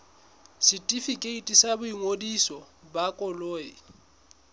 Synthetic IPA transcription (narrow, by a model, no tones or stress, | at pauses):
sitʼifikʼeitʼisabʊiŋodisɔbakʼɔloːḭ